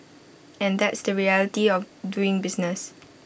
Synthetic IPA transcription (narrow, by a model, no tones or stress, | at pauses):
ɛ̃ndɛtsdəɹiɛlətiɔf | duɪ̃ŋbɪsnəs